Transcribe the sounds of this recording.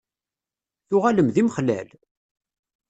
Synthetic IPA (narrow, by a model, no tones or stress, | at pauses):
θʊʁæləmðimχlæ̰l